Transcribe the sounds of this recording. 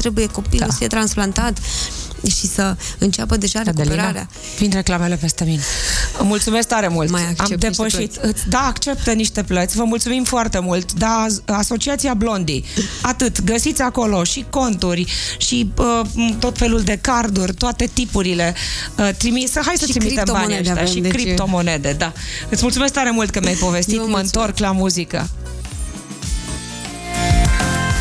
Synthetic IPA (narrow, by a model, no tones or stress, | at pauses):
t̪ɾe̞buje̞ko̞pilusiet̪ɾansplant̪at̪ | ʃisəɨnt͡ʃapəd̪e̞ʒaɾekeleɾaɾea̰ | vind̪ɾe̞klame̞le̞pe̞st̪e̞mineəmult̪sume̞skt̪aɾe̞multmajaamd̪epəʃit̪ɨd̪aːkt͡ʃe̞p̚t̪əniʃt̪e̞plət̪sʲvəmult̪sumimfoart̪e̞mult̪d̪aaso̞t͡ʃiat̪siablo̞nd̪ḭat̪ɨt̪ɡəsit̪sʲako̞lo̞ʃiko̞nt̪urʲʃiət̪o̞t̪fe̞luld̪e̞kard̪urʲt̪oat̪e̞t̪ipuɾile̞ət̪ɾimit̪səɦajsət̪ɾimit̪embanaʃʲaʃikɾip̪̚omo̞ne̞d̪e̞d̪aɨt̪sʲmult̪sume̞sk̚t̪aɾe̞mult̪̚kəmjajpo̞ve̞st̪iməɨnt̪o̞rklamuzikə̰